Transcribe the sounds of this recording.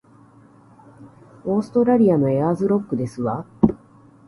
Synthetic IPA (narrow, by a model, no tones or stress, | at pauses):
o̞ːsɨ̥t̪o̞ɾaɾʲiano̞e̞azɨɾo̞kːɯ̟d̪e̞sɨβa